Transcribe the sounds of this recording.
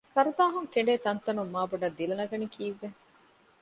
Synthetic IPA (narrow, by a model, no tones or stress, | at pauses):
kɐɾub̪aːɦuŋkeɳɖeːt̪ɐnt̪ɐnumːaːbuɖɐd̪ːilɐnɐɡɐnikʰiːʋːe